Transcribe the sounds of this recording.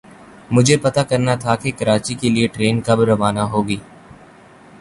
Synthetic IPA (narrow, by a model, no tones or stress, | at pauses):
mʊd͡ʒʱepɐt̪akɐɾnat̪ʰakekɐɾaːt͡ʃikelieʈɾeːnkabɾɐʋaːnaɦoːɡiː